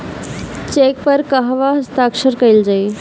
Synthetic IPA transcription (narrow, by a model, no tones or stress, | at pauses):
t͡ʃeːk̚pəɾkəɦʋaɦəst̪aːkʃəɾkəjld͡ʒaj